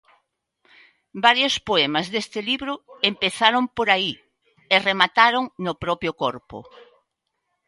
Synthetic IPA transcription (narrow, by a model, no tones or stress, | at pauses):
baɾjospoɛmɐzðest̪ɪliβɾʊempeθaɾompoɾai | eremat̪aɾoŋnʊpɾɔpɾjʊkɔɾpʊ̰